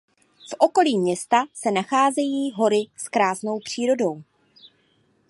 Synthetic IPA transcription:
fʔo̞ko̞liːmɲɛst̪asɛnaxaːzɛjiːɦo̞ɾɪskɾaːzno̞wpr̝̥iːɾo̞do̞w

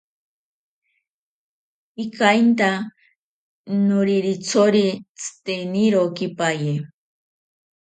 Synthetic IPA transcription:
ikajnt̪a | nʊɾiɾit͡sʰoɾit͡sʰɨ̥t̪eniɾokipaje

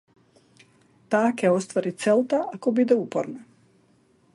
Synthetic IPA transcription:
t̪aːkeo̞st̪ʋaɾit̪selt̪aʔakobid̪eupoɾne

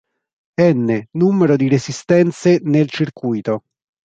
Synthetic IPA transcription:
ɛnːenumeɾod̪iɾezist̪ɛnt̪senelt͡ʃirkujt̪o

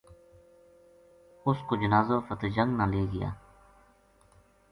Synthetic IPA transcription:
ʊskoːd͡ʒənaːzoːfət̪ed͡ʒəŋɡnãːleːɡɪja̰ː

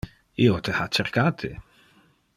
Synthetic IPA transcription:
iot̪ehat͡ʃeɾkat̪ʰɪ

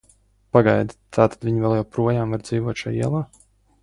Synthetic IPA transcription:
paɡajd̪t̪ʰaːt̪ad̪vʲiɲvʲɛlˠjawpɾuɔjaːmvaɾd̪ziːvuɔt̪ʃa̰jiɛlˠaː

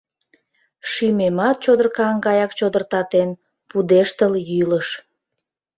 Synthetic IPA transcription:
ʃymemɑt̪̚t͡ɕod̪ərkɑŋɡɑjɑkt͡ɕod̪ərt̪ɑt̪en | pud̪eʃt̪əljyləʃ

